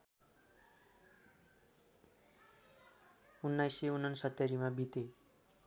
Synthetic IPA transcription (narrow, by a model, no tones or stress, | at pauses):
unːajseunʌnsʌt̪ːʌɾimabit̪e